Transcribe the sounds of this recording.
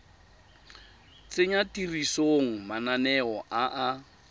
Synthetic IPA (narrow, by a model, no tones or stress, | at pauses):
t͡sʼeɲatʼirisoŋ̩mananɛɔʔaʔa